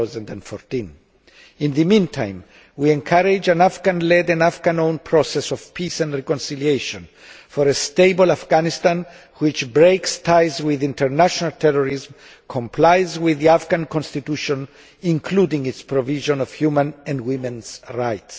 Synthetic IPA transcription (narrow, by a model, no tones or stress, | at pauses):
zãndɛ̃ndfɔɹt̪ĩn | ĩnðɨmĩntʰã̰j̃m | wiɛ̃ŋkʰaɾɪd͡ʒãnafɡãnlɛdãnafɡãnõʊ̃npʰɹɔsɛsɔv̥pʰisɛ̃ndɹikɔ̃nsilieʃɔ̃n | fɔɾest̪eɪbolafɡ̥anist̪ãn | wit͡ʃbɹejkst̪ʰajzwiðĩntʰəɹnaʃɔnalt̪ʰɛɹɔɾizm | kʰɔ̃mpʰlajzwiðiafɡãnkɔ̃nst̪it̪uʃɔ̃n | ĩŋkʰludĩŋitspɹɔviʒɔ̃nɔv̥hjumãnɛ̃ndwimɛ̃nz̥ɹajts